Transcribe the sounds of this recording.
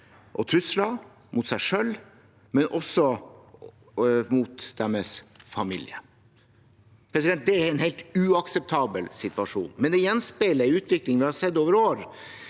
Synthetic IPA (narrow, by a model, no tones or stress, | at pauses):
ʔɔt̪ʰɾʉslɑ | mʔʊt̪sæɪʂœlː | mɛnʔɔsːɔ | mut̪d̪̥ɛmɛsfɑmḭlɪ̰ə̰ | pʰɾɛs̬ɪd̪ɛnt̪̚d̪ɛæɾɛnɦeɪlt̪ʉɑksɛp̚t̪ʰɑːbəlsɪt̪ʋɑʂṵːnmɛnd̪ɛjɛnspeləʉːt̪ʰʋɪklɪŋʋɪhɑɾsɛd̪ːoːʋəɾoːɾ